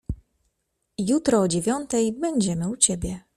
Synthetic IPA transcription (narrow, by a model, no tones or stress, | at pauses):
jut̪ɾɔːd͡ʑevʲjɔnt̪ɛjbɛɲd͡ʑɛmɘut͡ɕebʲjɛ